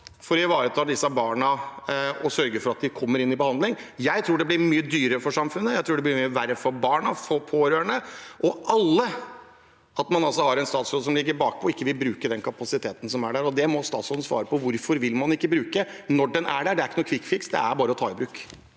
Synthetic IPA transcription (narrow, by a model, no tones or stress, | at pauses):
fɔɾɪʋɑːɾət̪ʰɑːd̪ɪsːɑbɑːɳɑ | ɔsœɾɡəfɔɾɑt̪̚d̪ɪkʰɔmːəɾɪnːɪbəhɑnd̪lɪŋjæɪt̪ʰɾuːɖɛblɪɾmyːəd̪yːɾəɾəfɔʂɑmfʉnːəjæɪt̪ʰɾuːɖɛblɪɾmyːəʋæɾəfɔɾbɑːɳɑfɔpʰoːɾøːəɳəʔɔʔɑlːə | ɑt̪mɑnɑlsɔhɑɾɛnst̪ɑːt̪sɾoːd̪s̬ɔmlɪɡːəɾbɑːk̚pʰɔɔɪkːəʋɪlbɾʉːkəd̪ɛnkʰɑpɑsɪt̪ʰeːt̪ən̩sɔmæɖæɾɔd̪ɛmɔst̪ɑːt̪soːd̪nsʋɑ̰ːɾəpʰɔʋʊɾfɔɾʋɪlmɑnɪkːəbɾʉːkənɔɖɛnæɖæɖɛæɾɪkənuːkʰʋɪkːfɪksd̪ɛ̰æɾbɑːɾəɔt̪ʰɑːɪbɾʉːkː